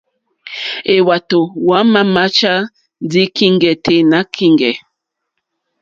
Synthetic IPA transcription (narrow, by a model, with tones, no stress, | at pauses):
e˨wa˨to˨wa˨˦ma˦ma˦t͡ʃa˦ | d͡zi˦ki˦ŋɡɛ˨tʰe˨na˨˦kʰi˦ŋɡɛ˨